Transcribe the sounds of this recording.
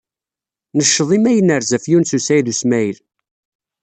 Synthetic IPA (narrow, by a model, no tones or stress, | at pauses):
nəʃːəðˤimæjənəɾzæfjunsusæjðusmæjɾ